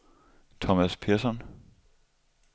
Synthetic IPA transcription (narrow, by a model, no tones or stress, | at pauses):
t͡sʰɒmæspʰeɐsɒn